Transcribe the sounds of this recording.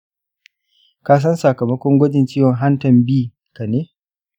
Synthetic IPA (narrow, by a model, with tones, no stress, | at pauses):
kaː˦s̬ɐ˦nsa˨kɐ˨mɐ˦kʷɔ˦ŋɡʷɐ˦d͡ʒɪ˨nt͡ʃiː˦wɔ˨ŋɦa˦ntɐ˨mbiː˦˨ | ka˨neː˦